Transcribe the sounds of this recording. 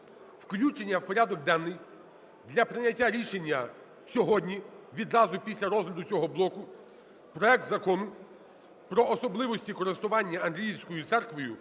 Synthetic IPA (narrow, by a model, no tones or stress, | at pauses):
wklʲut͡ʃenʲːɐwpɔɾʲad̪ɔɡ̚d̪ɑnːɪj | d̪lʲɐpɾɪnʲɐtʲːaɾʲiʃenʲːɐ | sʲɔɦɔdʲnʲiʋʲid̪ɾɑzʊpʲisʲlʲɐɾɔzɦlʲɐd̪ʊt͡sʲɔɦɔblˠɔkʊ | pɾɔɛk̚t̪zɐkɔnʊ | pɾɔːsɔblˠɪʋɔsʲtʲikɔɾest̪ʊʋɑnʲːɐɐnɦlʲijiwsʲkɔjʊt̪ɛrkʋɔjʊ